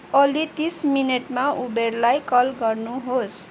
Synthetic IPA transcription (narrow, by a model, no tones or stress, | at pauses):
ʌlit̪ismineʈmaʔuberlajkʌlɡʌrnuɦos